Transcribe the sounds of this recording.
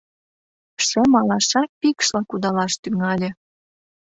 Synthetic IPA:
ʃə̆mɑlɑʃɑk̚pikʃlɑkud̪ɑlɑʃt̪yŋɑlʲĕ

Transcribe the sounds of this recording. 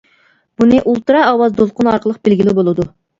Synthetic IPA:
b̥unɨʔulˠt̪ɨɾɑːwɑzd̪olˠqʊnɑɾqʰəlˠəq̚bɪlɡʲilɪbolˠɨd̪u

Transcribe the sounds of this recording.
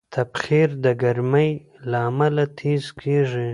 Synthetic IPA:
t̪ʰabχiɾd̪əɡaɾməj | laːmalat̪ʰizkʰeʐi

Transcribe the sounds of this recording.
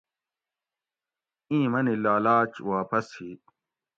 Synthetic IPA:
ĩːmɐnilaːlaːt͡ɕwaːpɐshiː

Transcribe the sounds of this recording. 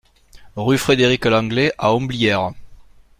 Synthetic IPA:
ʁyfχed̪eʁiklɑ̃ɡleʔaɔ̃blijɛʁ

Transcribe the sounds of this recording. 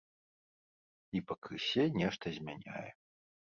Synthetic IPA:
ipɐkɨsʲɛnʲɛʂt̪ɐzʲmʲanʲa̰jɛ

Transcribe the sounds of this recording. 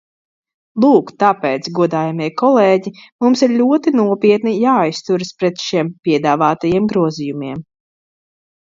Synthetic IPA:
lˠuːkt̪apɛːt̪sɡuɔd̪aːjamiɛkɔlˠɛːɟimumsiɾlʲuɔt̪inuɔpiɛt̪nijaːajst̪uɾɨspɾɛt̪ʃiɛmpʲiɛd̪aːvaːt̪ajiɛmɡɾuɔzijumiɛm

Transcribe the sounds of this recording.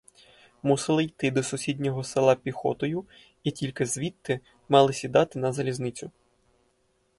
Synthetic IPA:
musɪlˠɪjt̪ɪd̪ɔsʊsʲidʲnʲɔɦɔsɪlˠɑpʲixɔ̰t̪ɔjʊ | itʲilʲkɪzʋʲit̪ːɪ | mɑlˠɪsʲid̪ɑt̪ɪnɐzɐlʲiznɪt͡sʲʊ

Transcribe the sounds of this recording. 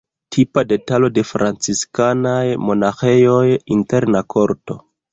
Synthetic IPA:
tʰipade̞talo̞de̞fɾʔant͡siskanajmo̞naxe̞jo̞jinte̞ɾnakʰo̞ɾto̞̰

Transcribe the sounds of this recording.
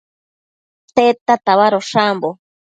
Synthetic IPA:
t̪et̪at̪aβaɾoʂambo

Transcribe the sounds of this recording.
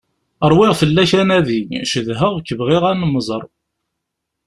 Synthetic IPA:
əɾˤwɪʁfəlːæçænæðiɲʃəðɦəʁkːəvʁɪʁænəmːəzˤəɾˤ

